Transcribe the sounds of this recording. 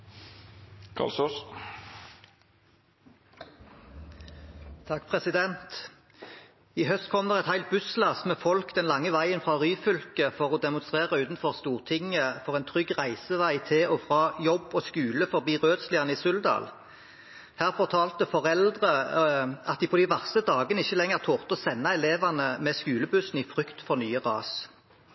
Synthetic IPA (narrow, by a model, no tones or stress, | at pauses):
kʰɑ̰lsɔs | t̪ʰɑkːpʰʁɛsɪd̪ɛnt̪ | iːhœst̪̚kʰɔmːəʁɛt̪hæɪlt̪̚bʉslɑsmɛːfɔlkd̪ɛnlɑŋːəʋæɪənfʁɑːʁyːfʏlkəfɔʁoːd̪ɛmʊnst̪ʁeːʁəʉːt̪n̩fɔʁst̪uːʁt̪ʰɪŋəfɔʁɛnt̪ʰʁʏɡʁæɪsəʋæɪt̪ʰɪlɔfʁɑːjɔbɔskʉːləfɔʁbiːʁøːd̪slɪɑnəɪsʉld̪ɑ̰ːl | hæːʁfɔʁt̪ʰɑːlt̪əfɔʁɛld̪ʁə | ɑ̰t̪̚d̪ɪːpʰɔd̪ɪʋæʁsəd̪ɑːɡənəɪçːəlɛŋəʁt̪ʰoːʁt̪ɔsɛnːɑɛleːʋɑnəmɛskʉːləbʉsn̩ifʁʏkt̪fɔʁnyːəʁɑ̰ːs